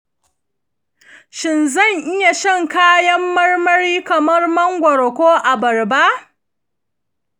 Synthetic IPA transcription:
ʃɪ˨nzɐ˦˨ŋʔɪ˦ja˨ʃɪ˦˨ŋkaː˦jɐ˦mːɐ˦rmɐ˦ɾiː˦kɐ˨mɐ˦rmɐ˦ŋɡʷɐ˨ɾkʷoː˦ʔa˨bɐ˨rba˦ʔ

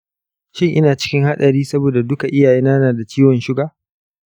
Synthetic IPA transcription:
ʃɪ˦ŋʔɪ˦naː˨t͡ʃɪ̥˦kʲɪ˦ŋha˦ɗɐ˨ɾiː˦sɐ˦boː˨da˨dʊ˦ka˨ʔɪ˦jaː˨jeː˦naː˦naː˨da˨t͡ʃiː˦wɔ˨nʃɪ˦ɡaː˨

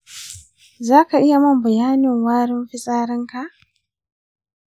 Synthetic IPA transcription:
zaː˦ka˨ʔɪ˦ja˨mɐ˦˨mbɐ˨jaː˦nɪ˨ŋwaː˦ɽɪ˦mɸɪ˦sʼaː˦ɾɐ˦ŋka˨ʔ

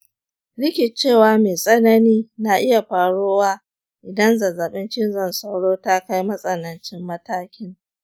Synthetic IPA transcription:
lɪ˦kʲɪ˨t͡ʃeː˦˨waː˨˦meː˨sʼɐ˦nɐ˦niː˦na˨ʔɪ˦ja˨ɸaː˨ɽoː˦waː˦ | ʔɪ˨dɐ˦nza˨zaː˨ɓɪ˦nt͡ʃɪ˦nzɐ˦˨nsa˦wɽoː˦ta˦ka˦jmɐ˦sʼɐ˨nɐ˨nt͡ʃɪ˦mːɐ˦taː˦kʲɪ˦ŋ

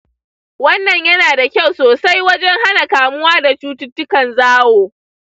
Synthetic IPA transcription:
wɐ˦nːɐ˨ɲjɐ˦naː˨da˨kʲa˦˨wsoː˨sa˦jwɐ˦d͡ʒɛ˦ŋɦa˦na˨kaː˨mʊ˦waː˦da˨t͡ʃuː˦tʊ˦tːʊ˦kɐ˨nzaː˦woː˨

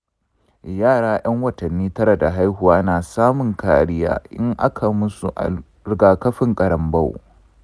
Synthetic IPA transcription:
jaː˦˨ɽaː˦j̰ɐ˦ŋwɐ˨tɐ˨nːiː˦tɐ˦ɾa˨da˨ɦa˦jhu˨waː˦naː˨saː˦mʊ˨ŋkaː˨ɽɪ˦ja̰ː˦ʔɪ˦ŋʔa˦kʰa˨mʊ˦sṵ˨ʔa̰˨ | ɾɪ˨ɡaː˨kɐ˦ɸɪ˨ŋkʼɐ˨ɾɐ˨mbɐ˦w

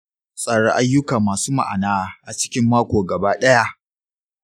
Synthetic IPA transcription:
sʼaː˨ɽa˦ʔa˦jːʊ˦kaː˨maː˨suː˦ma̰˨ʔa̰˨naː˦˨ʔa˨t͡ʃɪ̥˦kʲɪ˦mːaː˦kʷoː˨ɡɐ˨baː˦ɗɐ˦ja˦ʔ

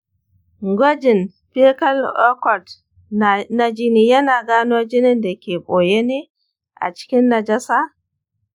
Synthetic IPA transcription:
ŋɡo˦d͡ʒi˨n | pe˦ka˦lɔ˦kɔ˨t | na˨d͡ʒi˦ni˨ja˦na˨ɡa˦no˦d͡ʒi˦ni˦ndɛ˨kʲe˨ɓoː˨je˦ni˦ | ʔa̰˨t͡ʃi̥˦kʲi˦nːa˨d͡ʒa˦sa˦

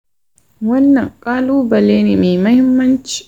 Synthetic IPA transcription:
wɐ˦nːɐ˨ŋkʼaː˦luː˦bɐ˨leː˦ni˨me˨mɐ˦hɪ˦mːɐ˦nt͡ʃi̥˨

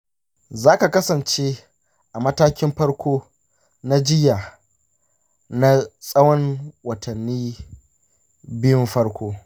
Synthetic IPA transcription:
zaː˦ka˨kɐ˦sɐ˨nt͡ʃe˦ | ʔa˨mɐ˦taː˦kʲɪ˦mɸɐ˦ɽkʷʰoː˦ | na˦d͡ʒɪ˦jaː˨ | na˦sʼɐ˦wɔ˦ŋwɐ˨tʰɐ˨nːiː˦ | bɪ˦jɪ˦mɸɐ˦ɽkʷoː˦

